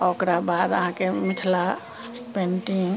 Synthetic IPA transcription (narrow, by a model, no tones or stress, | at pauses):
okɾabad̪əɦãkemɪt̪ʰla | pẽɳʈiŋ